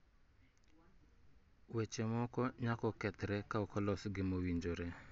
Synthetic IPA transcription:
wɛt͡ʃɛmɔkɔɲakɔkɛt̪ɾɛkaɔkʰɔlɔsɡɪmowiɲd͡ʒoɾɛ

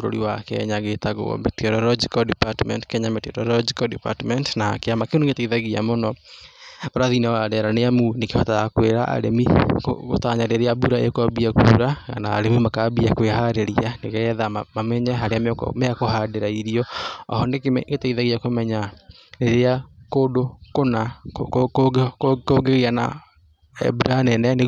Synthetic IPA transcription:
ɾo̰ɾḭwakɛ̰ɲaɣetaɣo̰metiɛɾɔɾɔd͡ʒikɔdipatmɛ̰ntkɛɲametiɛɾɔɾɔd͡ʒikɔdipa̰tmɛntnakeamakenuŋɡetaiðaɣia̰monɔ | oɾaðinawadɛɾaneamunekehɔtaakweɾaʔa̰ɾemiko̰ɣo̰taɲaɾeɾeabuɾaekɔbiakṵːɾaɣa̰na̰ːɾemimakabiakweɦaɾeɾianeɣɛðamamɛɲɛɦaɾeamkɔ̰mɛakohadeɾaiɾiɔɔ̰hɔnekɡetaiðaɣiakomɛɲa | ɾeɾeakodokona | koɡeɣiana̰ | ɛ̰buɾanɛnɛne

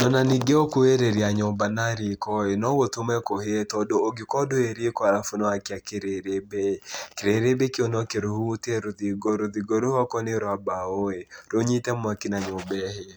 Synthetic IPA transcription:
nɔnaniɡeɔkueɾeɾiaɲɔbanaɾikɔenɔwot̪omɛkohetɔdoːɡikɔdoeɾikɔaɾafunɔakɪakɪɾeɾebekɪɾeɾebekɪonɔkeɾohuteɾoðiɡoɾoðiɡoɾohɔkɔnɪɾwabaoeɾoɲitɛmwakɪnaɲɔbɛhe

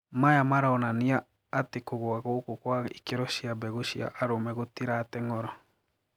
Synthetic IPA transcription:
majamaɾaɔnaniaː | tekoɣoaɣokokwaikeɾɔʃiabɛɣoʃia̰ʔaɾomɛɣotiɾaːtɛŋɔɾɔ

